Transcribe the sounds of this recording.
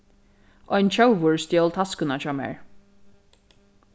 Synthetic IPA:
ʔɔjnt͡ʃʰœwʋʊɹst̪jɛlt̪ʰaskʊnat͡ɕɔːmɛ̰ɹ

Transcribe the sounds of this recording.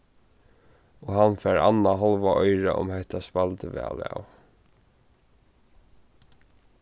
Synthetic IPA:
ɔɦanfɛːɹa̰nːaɦɔlʋaʔɔjɹaʔʊ̰mhɛht̪aspalt̪əʋɛ̰ːla̰w

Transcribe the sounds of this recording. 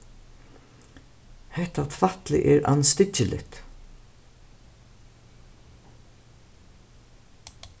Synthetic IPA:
hɛht̪at̪ʰvat̪lɪ̰ʔɛːɾa̰nst̪ɪt͡ʃəlʔɪ̰kt̪

